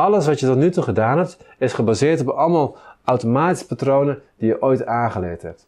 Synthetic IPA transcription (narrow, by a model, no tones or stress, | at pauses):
ɑlˠəsʋɑtjətɔtnytuχədaːnɦɛp̚tɪsχəbazɪːɹtɔpɑlˠmalˠawtomaːti̥sə̥patrownəd̥ijəʔojtaːχəlɪːthɛ̰p̚t